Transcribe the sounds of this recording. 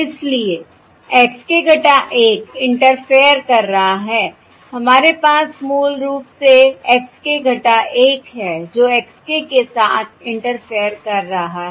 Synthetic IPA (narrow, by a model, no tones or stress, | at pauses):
ɪslie | ɛːkskeɡʱɐʈaʔeːkɪ̃ɳʈəɾfejəɾkɐɾːɐɦaɦɛː | hɐmaːɾepaːsmuːlɾuːpseɛkskeɡʱɐʈaʔeːkɦɛːd͡ʒoːɛːkskekesaːt̪ʰɪ̃ɳʈəɾfʰijəɾkɐɾːɐɦaɦɛ